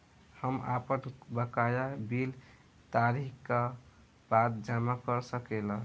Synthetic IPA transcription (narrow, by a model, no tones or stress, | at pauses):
həma̰pənbəkajabil | t̪aɾika | bat̪d͡ʒamakəɾsəkelə